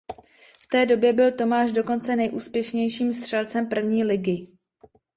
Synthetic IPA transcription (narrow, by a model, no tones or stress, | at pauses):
ft̪ɛːdo̞bjɛbɪlt̪o̞maːʃdo̞ko̞nt͡sɛnɛjʔuːspjɛʃɲɛjʃiːmst̪r̥ɛlt͡sɛmpr̩vɲiːlɪɡɪ